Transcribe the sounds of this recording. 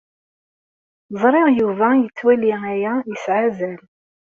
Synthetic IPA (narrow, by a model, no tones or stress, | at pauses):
zˤɾˤɪʁjuvæjət͡sːwæliæjæjəsʕazæl